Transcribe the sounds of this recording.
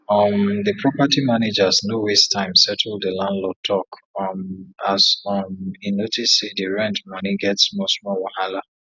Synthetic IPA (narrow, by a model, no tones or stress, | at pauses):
ʌmðəpʰɹɔpatimaned͡ʒasnowestãɪ̃msɛtʰl̩ˠdəlãndlotʰɔkmasɔminːotʰisidəɹɛ̃ntmʌniɡɛtsmosmɔwahala